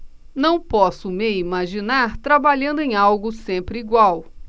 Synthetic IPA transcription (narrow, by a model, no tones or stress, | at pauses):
nɐ̃w̃pɔsʊmeimaʒinaɾt̪ɾabaʎɐ̃nd̪ʊẽj̃awɡʊsẽmpɾɪiɡwaw